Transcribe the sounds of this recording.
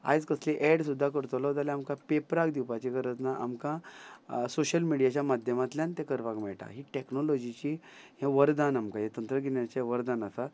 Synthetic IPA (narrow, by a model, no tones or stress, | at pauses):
a̰jd͡zkəsliʔɛɽsud̪ʱːakəɾt̪olɔd͡z̪aleamkapepɾakd̪iwpat͡ɕikəɾət͡snaʔa̰mkã | soɕəlmiɽijat͡ɕjamad̪ʱjəmat̪ljant̪ekəɾʋakmɛɭʈa̰ɦiʈeknolɔd͡ʑit͡ɕiɦãʋəɾd̪anamkajet̪ənt̪ɾəɡinjat͡ɕeʋəɾd̪anasa